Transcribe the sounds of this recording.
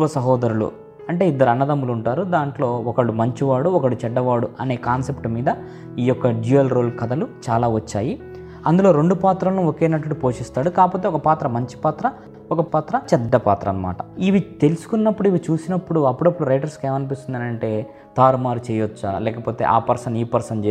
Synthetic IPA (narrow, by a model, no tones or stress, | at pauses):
ʋɐsɐɦɔːd̪ɐɾulṵ | ɐɳʈe̞ːid̪ːɐɾuɐnːɐd̪ɐmuluɳʈaːɾud̪aːɳʈlo̞ːɔkɐɽumɐɲt͡ʃiʋaːɽuɔkɐɽut͡ʃɛɖːɐʋaːɽuʔɐne̞ːkaːnse̞pʈmiːd̪ɐ | iːjɔkːɐɖiɐlɾo̞ːlkɐd̪ɐlut͡ʃaːlaːʋɐt͡ʃːaːji | ɐnd̪ulo̞ːɾe̞ɳɖupaːt̪ɾɐlnuoke̞ːnɐʈ̬ɐɽupo̞ːʂist̪aːɽukaːpo̞ːt̪eɔkɐpaːt̪ɾɐmɐɲt͡ʃi̥paːt̪ɾɐ | ɔkɐpaːt̪ɾɐt͡ʃɛd̪ːɐpa̰ːt̪ɾɐ̰nɐma̰ːʈɐiʋit̪e̞lusu̥kunːɐpːuɽuiʋit͡ʃuːsinɐpːuɽuɐpːuɽɐpːuɽuɾɐjʈɐɾske̞ːmɐnip̬ist̪und̪ɐːnɐɳʈe̞ː | t̪aːɾmaːɾut͡ʃɛːjɐt͡ʃːa̰lɛːkɐpo̞ːt̪ḛːʔa̰ːpɐɾsɐniːpɐɾsɐnt͡ʃeː